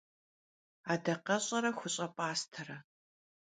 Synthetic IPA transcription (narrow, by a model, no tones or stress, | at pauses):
aːdɐqɐɕʼɐɾɐxʷʊɕʼɐpʼaːstʰɐɾɐ